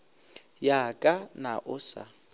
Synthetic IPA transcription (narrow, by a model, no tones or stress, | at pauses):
jakʼanaʔʊsa̰